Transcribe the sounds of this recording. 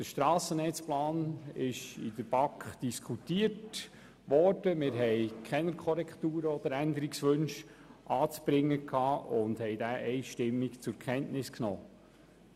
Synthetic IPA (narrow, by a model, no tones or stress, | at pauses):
d̥əɾʃtɾɑːsənɛt͡splɑːnɪʃidəb̥ɑkχd̥iskʰutiət | ʋɔɾd̥əmɪːɾɦɛɪkʰχɛnəɾkʰχɔɾɛktuːɾəɔd̥̪əɾænd̪əɾiksʋɵnʃʔɑːt͡sb̥ɾɪŋːəkʰhɑːʔʊndhɛjdæːʔɛɪʃtɪmːikt͡sʊɾkʰχɛntnɪsknɔː